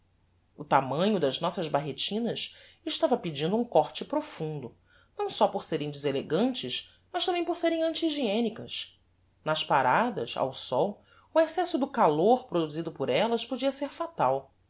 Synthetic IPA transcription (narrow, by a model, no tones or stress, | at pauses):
ʊt̪amɐ̃ɲʊd̪ɐznɔsɐzbaɦet͡ʃĩnɐʃɪʃt̪avɐpid͡ʒĩnd̪ʊũŋkɔɾt͡ʃɪpɾofũnd̪ʊ | nɐ̃w̃sɔpoɾseɾẽj̃d͡ʒɪzeleɡɐ̃nt͡ʃɪʃ | mɐʃt̪ɐ̃bẽj̃poɾseɾẽj̃ɐ̃nt͡ʃiːʒiẽnikɐs | nɐʃpaɾad̪ɐ̰ʃa̰wsɔw | ʊesɛsʊd̪ʊkaloɾpɾod̪uzid̪ʊpʊɾɛlɐʃpod͡ʒiɐseɾfat̪aw